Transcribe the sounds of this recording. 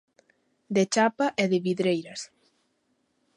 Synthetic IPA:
d̪et͡ʃapaʔɛðɪβiðɾejɾɐs

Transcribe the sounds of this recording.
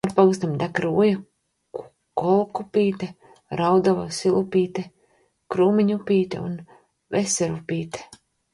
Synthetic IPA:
aɾpaɡust̪amd̪akɾuːja | ku̥ | kɔlˠkupiːt̪e | ɾawd̪avasilˠupiːt̪e | kɾuːmiɲupiːt̪ḛṵn | vesɛɾupiːt̪e̥

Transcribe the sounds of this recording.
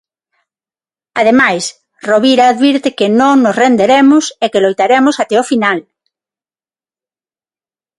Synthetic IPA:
að̞emajs | roβiɾaːðβiɾt̪ɪkenõŋnosrend̪eɾemʊsekelojt̪aɾemosat̪ɛofinal

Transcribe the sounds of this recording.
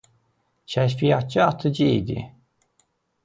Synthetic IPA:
cʰæʃfijɑt̪̚t͡ʃɯɑt̪ʰɯd͡ʒɯḭd̪ḭ

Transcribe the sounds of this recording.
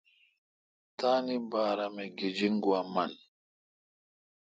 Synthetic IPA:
taːnibaːɾamɛɡed͡ʒiŋɡuaman

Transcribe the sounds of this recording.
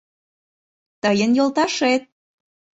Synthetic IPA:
t̪əjənjolt̪ɑʃet̪̚

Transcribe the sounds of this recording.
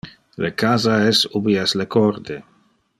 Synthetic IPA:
lekazaɛsubiɛslekʰɔrd̪e

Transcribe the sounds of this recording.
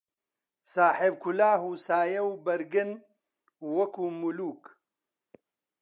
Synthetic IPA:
saːħeb̚kʰulaːɦuːsaːjɐwbɐɾɡɨn | wɐkuːmuluːk

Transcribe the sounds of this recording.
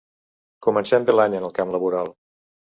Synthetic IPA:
kumənsɛmbelaɲənəlˠkamləβuɾalˠ

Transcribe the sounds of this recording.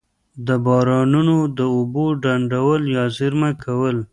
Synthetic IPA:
d̪əbɑɾɑnunod̪əʊboɖaɳɖawəljɑzɪɾmakʰawəl

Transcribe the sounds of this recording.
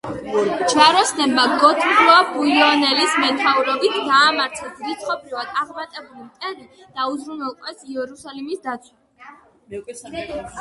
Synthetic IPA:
t͡ʃʰaɾɔsnɛbaɡɔt̪ʰmɡlˠɔabujɔnɛlismɛt̪ʰauɾɔbit̪ʰd̪aːmaɾt̪sʰɛzɾit̪sχɔpʰɾivad̪̥aʁmat̪ʼɛbulimt̪ʼɛnɛ | d̪̥auzɾunɛlˠqʼwɛsiɛɾusalimisd̪at̪sʰwa

